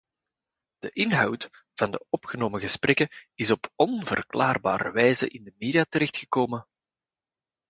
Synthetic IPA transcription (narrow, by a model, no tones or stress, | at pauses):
d̥əʔɪnɦɑwt | vɑndəɔpxənoːməɣəsprɛkəɪsɔpɔnvə̰rklaːrba̰ːɾə̰ʋɛjzə̰ʔɪndəmeːdijatəɾɛxtxəkoːmən